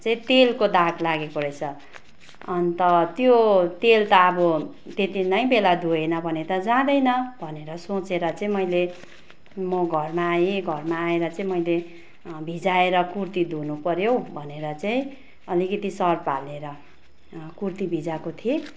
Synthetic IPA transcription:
t͡saĩt̪elkod̪aklaɡekoɾʌjt͡sʰʌ | ʌnt̪ʌt̪jot̪elt̪ʌːbʌ | t̪et̪inʌj̃belad̪ʱuenʌbʱʌnet̪ʌd͡zãd̪ʌjnʌbʱʌneɾʌsot͡seɾʌt͡saĩmʌjle | mʌɡʱʌrmaːjeɡʱʌrmaːeɾʌt͡saĩmʌjle | bʱid͡zaeɾʌkurt̪id̪ʱunupʌɾjowbʱʌneɾʌt͡saĩ | ʌlikʌt̪isʌrpa̰leɾʌ | kurt̪ibʱid͡zakot̪ʰie

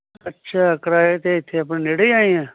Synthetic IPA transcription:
ətːʃʰaːəkɾaːet̪eɪt̪ʰːeəp̬nẽːneɽəiaːĩɛ̃ː

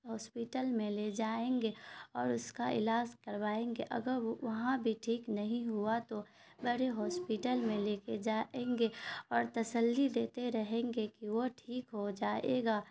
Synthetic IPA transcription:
ɦɔːspiʈəlmẽled͡ʒaːẽːŋɡeɔːɾʊskaɪ̰laːd͡ʒkɐɾʋaːẽːŋɡeʔɐ̰ɡəɾʋɐɦãbʱiʈʰiːknɐɦĩɦuat̪o | bəɽeɦɔːspiʈəlmẽleːked͡ʒaːʔẽːŋɡeɔːɾt̪ɐsəlːid̪eːt̪eɾɐɦẽːŋɡekiʋoʈʰiːkɦod͡ʒaːḛːɡaː

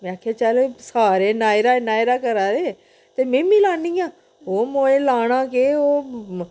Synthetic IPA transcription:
mɛ̃ːaːkʰjaːt͡ʃaːleːsaːɾeːnaːɪɾaːnaːɪɾaːkəɾaːɾeː | t̪eːmẽːmĩːlaːniːãː | oːmoːẽːlaːɽ̃ãːkeːoː

